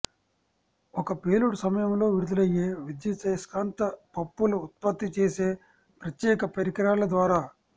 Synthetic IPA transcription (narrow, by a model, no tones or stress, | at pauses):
ɔkɐpeːluɽsɐmɐjɐmlo̞ːʋiɾud̪ulɐjːeːʋid̪jɐt͡ʃɐjɐskaːnt̪ɐpɐpːuluut̪̚pɐt̪ːit͡ʃeːse̞ː | pɾɐt̪jɛːkɐpɐɾikɐɾaːlɐd̪ʋaːɾaː